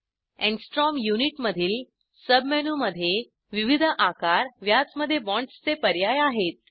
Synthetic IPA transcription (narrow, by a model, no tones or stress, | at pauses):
ɛ̃ɳsʈɾɔmjuniʈməd̪ʱiːl | səbʱmɛnuməd̪ʱːje | ʋiʋid̪ʱəʔakaɾʋjat͡sməd̪ʱːjebɔ̃ɳʈst͡sepəɾjajaɦet̪̚